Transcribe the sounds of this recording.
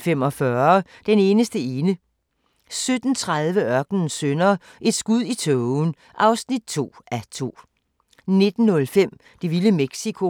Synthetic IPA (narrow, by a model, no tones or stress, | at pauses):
fem̰ɒ̽fɶɐɐd̥ene̝ːnəsd̥əe̝ːnə | sød̥n̩t͡sʰʁað̞ˠʋəɶɐɡ̥nən̩sønɐ | ʔe̝d̥sɡ̥uð̞̰ˠit͡sʰɔʊn̩ | ʔɑ̈ʊsnid̥̚t͡sʰo̝̰ːʔæt͡sʰo̝̰ː | ne̝d̥n̩ːɔ̽lfem̰ | d̥e̝ʋiləmeɡ̥sikʰo̝